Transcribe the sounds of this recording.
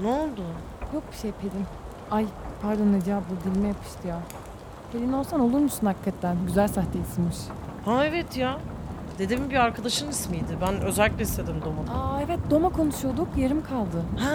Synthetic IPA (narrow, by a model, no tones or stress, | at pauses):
noolˠd̪ʊ | jo̞k̚bi̥ʃejpʰelʲin | ajpʰaɾd̪anad͡ʒabud̪ilʲmɛjapʰɯ̥ʃt̪ʰɯjaː | pʰelʲinolsano̞lˠuɾmusunhakikʰːat̪ʰːænɟyzælʲsaxt̪ʰejsimɯʃhaevɛt̪ʰja | d̪e̞d̪imbiaɾkʰad̪aʃɯmismijd̪ɪbænøzɛlʲːiclʲɛist̪ʰed̪imd̪o̞mad̪aaevɛt̪̚d̪o̞makʰo̞nuʃujod̪ukjeɾɯmkʰalˠd̪ɯh